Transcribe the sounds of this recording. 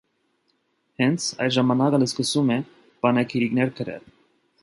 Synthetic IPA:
hɛnt͡sʰɑ̰jd̪ʒɑmɑnɑkələskəsumɛ | b̥ɑnɛkʰiɾiknɛɾkʰəɾɛ̰l

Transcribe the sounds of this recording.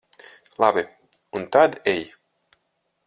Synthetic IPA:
labe | unt̪ad̪ej

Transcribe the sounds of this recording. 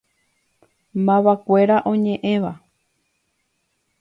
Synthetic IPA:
mãʋakʷe̞ɾaʔõ̞ɲẽ̞ʔẽʋa

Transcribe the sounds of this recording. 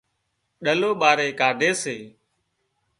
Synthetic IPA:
ɗəloːɓaːɾeːkaːɖʱeːseː

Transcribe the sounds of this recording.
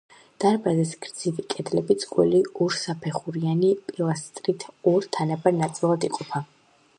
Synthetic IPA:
d̪̥aɾbazɛsɡɾd̪z̥ivikʼɛd̪lɛbit̪sʼkʼwɛ̰liʔɔɾsapʰɛχuɾianipʼilˠast̪ʼɾit̪ʰɔɾt̪ʰanabaɾnat̪sʼilˠad̪iqʼɔpʰa

